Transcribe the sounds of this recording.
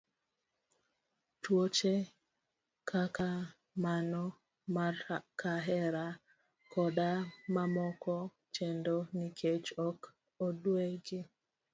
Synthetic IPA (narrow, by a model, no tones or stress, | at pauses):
twot͡ʃe | kʰaka | manɔ | kaɦɛɾa | kɔɗamamɔkɔ | t͡ʃendonikʰet͡ʃɔk | odweɡɪ